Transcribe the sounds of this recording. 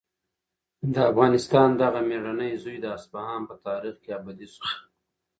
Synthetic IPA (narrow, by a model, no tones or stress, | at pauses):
d̪əafɣɑnɪst̪ɑnd̪aɣameɽanəjzujd̪əasbahɑnpət̪ɑːɾixkeabad̪isu̥xa